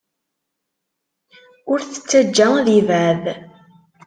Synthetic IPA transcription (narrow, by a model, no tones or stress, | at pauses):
ʊɾθə̥t͡sːəd͡ʒːæðivæð